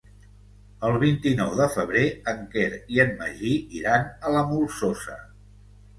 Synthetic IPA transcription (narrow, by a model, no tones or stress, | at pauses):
əlˠβ̞int̪inɔwðəfəβ̞ɾeəŋkeɾiənmə̰ʒiiɾanələmulˠsosə̰